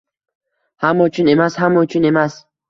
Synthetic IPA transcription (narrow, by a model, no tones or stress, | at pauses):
hamɔt͡ʃʰunemashamɔt͡ʃʰunemas